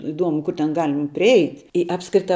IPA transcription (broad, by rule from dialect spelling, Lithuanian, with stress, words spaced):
ɪˈduɔmʊ ˈkʊr tʲɛn ˈɡɑːlʲɪm pʲrʲɪˈɛɪtʲ ɪ ˈɑːpskrʲɪtɐ